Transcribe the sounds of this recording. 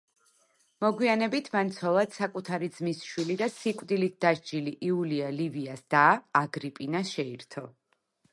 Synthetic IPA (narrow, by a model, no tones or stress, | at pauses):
mɔɡwianɛbit̪ʰmant̪sʰɔlˠad̪sakʼut̪ʰaɾid̪zmisʃwilid̪asikʼd̪ilit̪̚ʰd̪aʃd͡ʒiliʔiulialiviasd̪aːɡɾipʼinasʃɛiɾt̪ʰɔ